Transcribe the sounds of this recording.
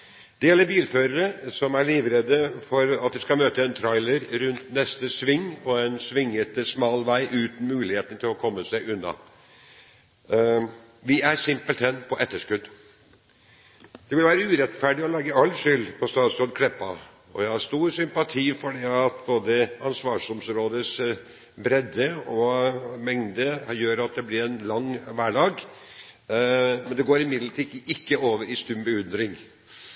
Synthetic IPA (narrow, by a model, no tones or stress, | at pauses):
d̪̥ɛjɛlːəɾbiːlføːɾəɾəsɔmæɾɭiːʋɾed̪əfɔɾɑt̪̚d̪ɛskɑmøːt̪əɛnt̪ʰɾɑɪləɾɾʉnt̪nɛst̪əsʋɪŋːpʰɔɛnsʋɪŋːət̪smɑːlʋæɪʔʉːt̪n̩mʉːlɪheːt̪ən̩t̪ʰɪlɔkʰɔmːəsæɪʔʉnːɑ̰ | ʋɪæɾsɪmpəlt̪ʰɛnpʰɔʔɛt̪ːəʂkʉd̪ | d̪̥ɛʋɪlʋæːɾəʉːɾɛt̪fæɖɪɔlɑːɡəɑlːʂʏlpʰɔst̪ɑːd̪sɔnkʰlɛpːɑ | ɔ̰jæɪhɑɾst̪uːɾsʏmpɑt̪ʰiːfɔɖiɑt̪boːd̪əɑnsʋɑːʂɔmsɾoːd̪əs | bɾɛd̪ːəɔmɛŋd̪əjøːɾɑt̪̚d̪ɛblɪɾɛnlɑŋʋæːɖɑːɡ | mɛnd̪ɛɡoːɾɪmɪd̪lət̪ʰiːʔɪkːəoːʋəɾɪst̪ʉmbəʉnd̪ɾɪŋ